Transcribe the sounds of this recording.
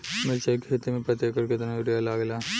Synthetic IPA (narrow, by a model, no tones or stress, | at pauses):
mɐt͡ʃakʰeːt̪emẽpɾɐt̪jekːɐɾket̪onaʋɪɖijalaːɡlaː